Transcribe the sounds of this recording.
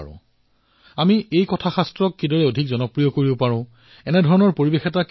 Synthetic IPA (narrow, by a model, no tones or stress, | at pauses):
ʊ̰̃ | amiejkɔtʰaxastɹɔkːidɔɹɛodʱikzɔnɔpɹijɔkoɹibopaɹʊ̃ | ɛnɛdʱɔɹɔnɔɹpoɹibexɛtak